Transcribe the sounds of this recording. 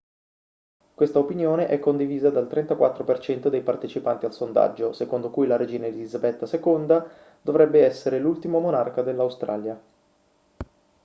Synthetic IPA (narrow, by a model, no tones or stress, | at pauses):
kwest̪aopinjoːneʔɛkːond̪iviːzad̪alt̪ɾɛnt̪akwat̪ːɾopert͡ʃɛnt̪od̪ejpart̪et͡ʃipant̪ialsond̪a̰d͡ʒːosekond̪okujlaɾed͡ʒiːnalilizabɛt̪ːasekond̪a | d̪̥ovɾɛbːeɛsːeɾelult̪imomonarkad̪elːawst̪ɾa̰ːlja